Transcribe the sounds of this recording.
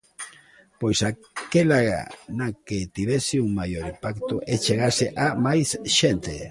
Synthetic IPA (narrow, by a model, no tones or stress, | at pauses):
pojsa | kelaɣa̰naket̪iβesiuŋmajoɾipakt̪oʔet͡ʃeɣaseʔamajsʃent̪ḛ